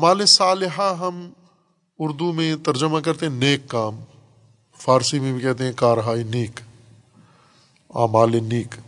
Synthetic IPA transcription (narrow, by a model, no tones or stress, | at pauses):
maːlesaːlɪɦaɦɐm | ʊɾd̪umẽt̪ɐɾd͡ʒəmakɐɾt̪eɦɛ̃neːkːaːm | fʰaːɾsimẽbʱikɛɦt̪̬eɦɛ̃kaːɾɦaːineːk | a̰ːmaːleniːk